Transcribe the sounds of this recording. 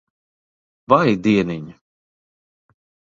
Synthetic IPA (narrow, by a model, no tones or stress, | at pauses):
vajd̪iɛniɲi